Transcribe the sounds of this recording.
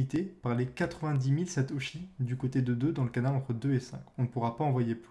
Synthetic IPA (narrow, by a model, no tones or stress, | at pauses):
it̪epaʁlekat̪χəvɛ̃d̪imilsɛt̪oʃid̪ykot̪ed̪əd̪ød̪ɑ̃ləkanalɑ̃t̪χəd̪øesɛ̰̃kɔ̃nəpuʁapaɑ̃vwajep